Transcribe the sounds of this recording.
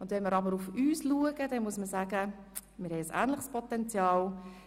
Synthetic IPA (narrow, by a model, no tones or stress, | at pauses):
ʊndʋɛnməɾɑbəɾufyːsluəɡəd̥ɛnmuəsməsæːɡə | mɪɾhɛɪəsæ̰ːnlɪχspʰɔtɛnt͡sjɑːl